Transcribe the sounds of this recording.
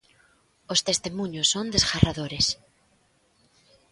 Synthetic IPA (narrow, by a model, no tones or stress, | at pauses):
ost̪est̪emũɲosːond̪esɣarʔaðoɾes